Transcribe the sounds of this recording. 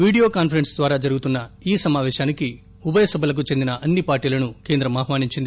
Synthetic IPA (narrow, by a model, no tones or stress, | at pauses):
ʋiːɽijo̞ːkaːnpʰɐɾensd̪ʋaːɾaːd͡ʒɐɾuɡut̪unːɐiːsɐmaːʋɛːʃaːniki | ubɐjɐsɐbʱɐlɐk̬ut͡ʃe̞nd̪inɐʔɐnːipaːɾʈiːlɐnuke̞ːnd̪ɾɐmaːɦmaːniɲt͡ʃind̪i